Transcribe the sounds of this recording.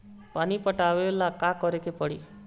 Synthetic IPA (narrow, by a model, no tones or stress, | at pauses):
panipɔʈaʋeolakakɔɾekepɔɽḭ